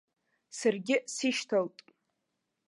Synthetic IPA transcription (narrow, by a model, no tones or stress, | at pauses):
sarɡʲɪsiʃtʰaltʼ